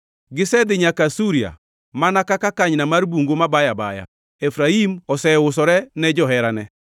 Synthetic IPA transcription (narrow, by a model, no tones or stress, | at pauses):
ɡɪsɛðɪɲakasuɾia̰ | manakakakaɲnamaɾibuŋɡomabajaba̰ja̰ | ɛfɾaimɔsɛʊs̬ɔɾɛnɛd͡ʒɔɦɛɾanɛ